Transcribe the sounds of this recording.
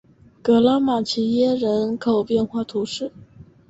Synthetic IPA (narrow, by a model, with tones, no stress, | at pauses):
kɤ˧˥la˥ma˨˩t͡ɕʰi˧˥jɛ˥ɻə˧˥nkʰo˨˩ʊpjɛ˥˧nxwa˥˩t̪ʰu˧˥ʂɻ̩˥˩